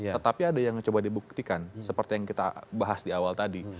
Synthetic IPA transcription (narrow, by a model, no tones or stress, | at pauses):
t̪ət̪apiadajaŋt͡ʃobadibuk̚t̪ikansəpərt̪ijaŋkit̪a̰baɦasdiawalt̪adi